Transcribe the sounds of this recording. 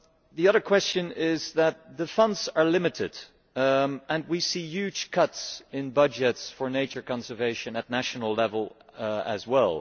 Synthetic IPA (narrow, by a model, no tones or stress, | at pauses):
ðiʌðə˞kʰw̥ɛst͡ʃɨ̃nɪzðət̪̚ðɨfʌ̃ndzə˞lɪ̃mɨɾɪd | ɨ̃nwisijʉ̥ʒ̥kʰʌtsɪ̃nbʌd͡ʒɨtsfə˞neɪt͡ʃə˞kɑ̃nsə˞veɪʃɨ̃nɨtⁿnæʃn̩l̩ˠlɛvəl̩ˠɨ̰zwɛlˠ